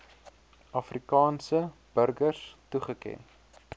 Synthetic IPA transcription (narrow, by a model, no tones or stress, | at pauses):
ɐfrikɑːnsəb̥ərɡərstuχəkɛ̰n